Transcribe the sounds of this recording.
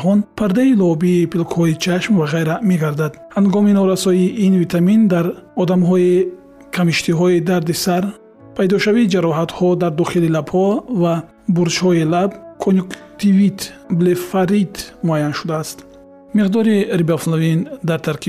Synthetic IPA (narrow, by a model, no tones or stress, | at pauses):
χɔnpʰaɾd̪ailɔbiːpilkhɔit͡ʃʰaʃmvaʁajɾame̞ɡaɾd̪ad̪haŋɡɔminɔɾasɔiʔːnvit̪ʰamind̪aɾɔd̪amɦɔi | kʰamiʃt̪ʰiɦɔid̪aɾd̪isaɾ | pʰajd̪ɔʃavid͡ʒaɾɔɦat̪hɔd̪aɾd̪ɔχililabhɔva | buɾt͡ʃhɔilabkʰonjukt̪ʰivit̪blefaɾit̪muajanʃud̪aːst̪ | miʁd̪ɔɾiɾibaflavind̪aɾt̪ʰaɾkʰi